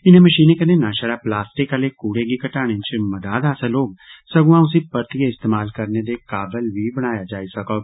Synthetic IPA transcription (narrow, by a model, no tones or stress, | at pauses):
ɪnẽːməʃiːneːkəneːnãːʃəɾaːplaːsʈɪkəleːkuːɽeːɡiːkəʈaːɽ̃ẽt͡ʃməd̪aːd̪aːsãloːɡ̚səɡũãːʊs̬iːpəɾt̪ieɪst̪eːmaːlkəɾneːd̪eːkaːbəlʋiːbəɽ̃aːjad͡ʒaːisəkoː